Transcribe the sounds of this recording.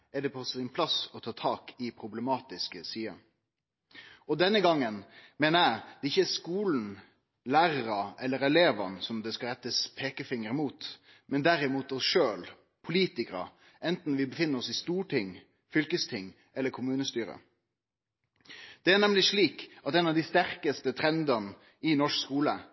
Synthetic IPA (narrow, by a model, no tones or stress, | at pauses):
ɛɖɛpʰɔsɪnpʰlɑsɔt̪ʰɑːt̪ʰɑːkɪpʰɾʊbləmɑːt̪ɪskəsiːə̰ | ɔd̪ɛnːəɡɑŋːənmeːnəæɪd̪ɛɪçːəæskuːln̩ | læːʁəɾɑɛlːəɾɛleːʋɑ̰nsɔmd̪ɛskɑɾɛt̪ːəspʰeːkəfɪŋəɾɪmuːt̪ | mɛnd̪æɾɪmuːt̪ɔsʂøːl | pʰʊliːt̪ɪkəɾə̰ | ʔɛnt̪n̩ʋɪbəfɪnːəɾɔsɪst̪uːʈʰɪŋ | fʏlkəst̪ʰɪŋː | ɛlːəɾkʰʊmʉːnəst̪yːɾə̰ | d̪̥ɛænɛmlɪʂɭiːkɑt̪ɛːnɑʋd̪ɪst̪æɾkəst̪ət̪ʰɾɛnd̪ɑn | ɪnɔʂkskuːlə